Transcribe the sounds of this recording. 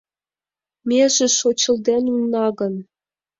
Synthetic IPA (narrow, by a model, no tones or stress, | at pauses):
mʲeʒĕʃot͡ɕɤ̆ld̪enunːɑɣɤ̆n